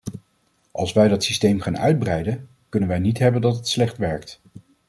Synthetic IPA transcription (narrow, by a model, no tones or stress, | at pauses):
ʔɑ̰lˠsʋɛjdɑtsistejmχaːnœ̰ɥd̚brɛjdən | kɵnənʋɛjnitɦɛbəndɑtətslɛχtʋɛɹkt